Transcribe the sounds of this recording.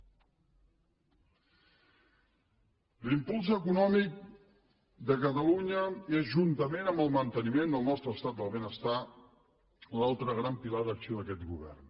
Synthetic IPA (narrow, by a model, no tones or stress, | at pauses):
limpulˠzəkunɔmik̚ | d̪əkət̪əluɲəezʒunt̪əmenəmbəlˠmənt̪ənimend̪əlˠnɔst̪ɾəːst̪at̪̚d̪əlˠβenəst̪a | lalˠt̪ɾəɣɾampilaðəksioðəkɛt̪ɣuβ̞ɛ̰rn